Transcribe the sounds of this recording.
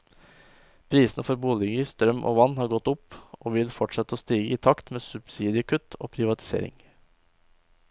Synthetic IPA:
pʰɾiːsnəfɔɾbuːlɪɡəst̪ɾœmːʔo̰ːʋɑnːhɑːɾɡɔt̪ːʊpʔoːʋɪlfɔʈʂɛt̪ːəɔst̪iːɡəiːt̪ʰɑkt̪meːsʉb̥siːd̪ɪəkʰʉt̪ʰo̰ːpʰɾɪʋɑt̪ʰɪ̥sḛːɾɪ̰ŋ

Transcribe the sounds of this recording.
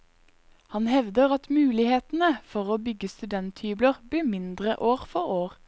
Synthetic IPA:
hɑnhɛʋd̪əʁɑt̪mʉːlɪheːt̪n̩əfɔʁoːbʏɡəst̪ʉd̪ɛnt̪hyːbləʁbliːmɪnd̪ʁəʔoːʁfɔʁoːʁ

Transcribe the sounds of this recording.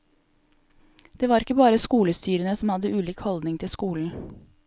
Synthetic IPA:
d̪̥eːʋɑːɾɪkəbɑːɾəskuːləst̪yːɾənəsɔmhɑd̪əʔʉːliːkhɔld̪nɪŋt̪ʰɪlskuːln̩

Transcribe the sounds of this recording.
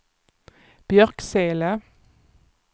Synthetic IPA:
b̥jœʁkseːlə

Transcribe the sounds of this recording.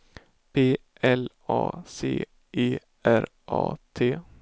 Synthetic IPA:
pʰeː | ɛl | ɑːsḛː | ʔeː | ʔæɾ | ʔɑ̰ːt̪ʰeː

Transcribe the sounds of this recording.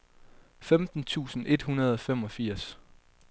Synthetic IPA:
femd̥n̩t͡sʰṵːsn̩e̝d̥hunɐð̞ˠɒ̽fem̰ɒ̽fiɐ̰s

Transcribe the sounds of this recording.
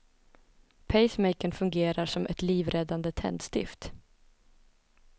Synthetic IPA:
pʰɛɪsmɛɪkənfɵŋɡeːɾaʂɔmʔɛt̪liːvɾɛd̪and̪ət̪ʰɛ̰nd̪st̪ɪ̰ft̪

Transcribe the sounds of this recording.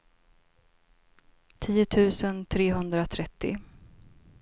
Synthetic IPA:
t̪ʰiːʊt̪ʰʉ̟ːsənt̪ʰɾeːɦɵnd̪ɾat̪ʰɾɛt̪ːɪ̰

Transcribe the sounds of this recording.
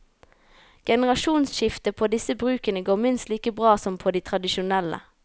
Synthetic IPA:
ɡ̥ɛnəʁɑʃuːnsʃɪft̪əpʰoːd̪ɪsəbʁʉːkənəɡoːmɪnst̪liːkəbʁɑːsɔmpʰoːd̪iːt̪ʰʁɑd̪ɪʃʊnɛlə̰

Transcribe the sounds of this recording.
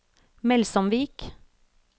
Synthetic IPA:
mɛlsɔmʋiːk

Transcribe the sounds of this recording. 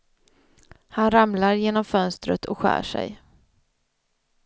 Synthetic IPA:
hanɾamlaɾjeːnɔmfœnst̪ɾə̰t̪ʰɔkɧæ̰ːʂɛ̰j

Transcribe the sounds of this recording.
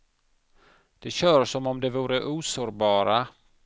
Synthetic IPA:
d̪̥ɛɕœːɾsɔmɔmd̪ɛvuːɾəʔuːsoːɾbɑːɾa

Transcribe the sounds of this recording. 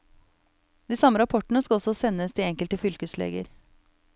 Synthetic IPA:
d̪iːsɑməɾɑpʰɔʈəɳ̩əskɑɔsɔsɛnːəsd̪iːɛŋkəlt̪əfʏlkəslḛːɡə̰ɾ

